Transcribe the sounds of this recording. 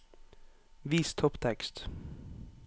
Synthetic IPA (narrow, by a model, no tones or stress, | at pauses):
ʋiːst̪ʰɔpt̪ʰɛkst̪